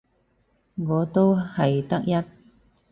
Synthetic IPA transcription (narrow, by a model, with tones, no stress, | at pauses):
ŋɔː˨˧˦t̪o˥whɐ˨jt̪ɐ˥k̚jɐ˥t̚